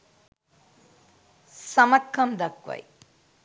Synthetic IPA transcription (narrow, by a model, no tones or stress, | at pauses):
sɐmɐkʰːɐmd̪ɐkʋɐ̰j